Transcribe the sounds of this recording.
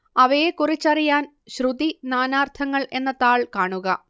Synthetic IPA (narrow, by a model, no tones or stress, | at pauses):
ɐʋɐjekurit͡ɕːɐrijaːn | ɕrud̪inaːnaːrt̪ʰɐŋːɐɭʔe̞nːɐt̪aːɭkaːɳuɣɐ